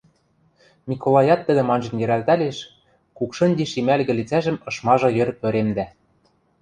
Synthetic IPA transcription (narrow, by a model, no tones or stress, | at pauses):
mʲikolˠɑjɑt̪ːɘ̆d̪ɘ̆mɑnʒɤ̆njɘ̆ɾælt̪æleʃ | kukʃɤ̆nʲd̪ʲiʃimælɣɘ̆lit͡sæʒɘ̆mɤ̆ʃmɑʒɤ̆jɘ̆rpøɾemd̪æ